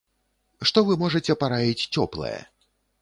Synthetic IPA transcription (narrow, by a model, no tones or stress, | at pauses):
ʂt̪ɔvɨmɔʐɐt͡sʲɛpaɾavʲit͡sʲt͡sʲɔplˠɐ̰jɛ̰